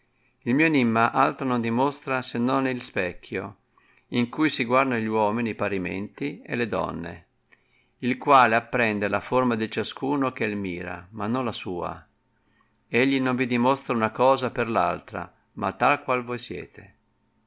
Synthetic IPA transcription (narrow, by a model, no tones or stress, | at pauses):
ilmiːonimːaʔalt̪ɾanond̪imost̪ɾasenːonilspɛkʰːjo̰ | iŋkujsiɡward̪aʎwɔːminiːpaɾimḛnt̪iḛled̪ɔ̰nːḛ | ilkwaːleapːɾɛnd̪elaformad̪it͡ʃaskuːnok̟eelmiːɾa̰manːõnlasuːa̰ | eʎːinoɱvid̪imost̪ɾaunakɔːzaperla̰lt̪ɾa̰ | mʔa̰t̪ːalkwalvojsjɛ̰ːt̪e̥